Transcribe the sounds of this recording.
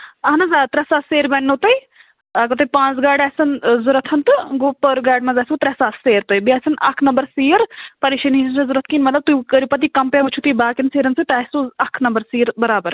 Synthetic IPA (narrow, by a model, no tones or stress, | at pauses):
ɐɦnɐzaːt̪ɾɛsaːseːɾbɛnːot̪ɐj | akɐt̪ɐpãːt͡sɡaːɖɛːsɐnzʊɾɐt̪ʰɐnt̪ɨɡoːpəɾɡaːɖmɐ̃zaːsut̪ɾɛsaːseːɾt̪oibiɛːsɐnʔɐ̰kʰnɐmbɐɾsiːɾpɐɾiʃɐninʰɐzuɾɐt̪ʰkiːnmɐt̪lɐb̚t̪ukɐɾipɐt̪ikɐmpẽʋɐt͡ʃʰut̪ibaːkinseːɾɐnsɨt̪ɛːsuɐkʰnɐmbəɾsiːɾbɐɾaːbəɾ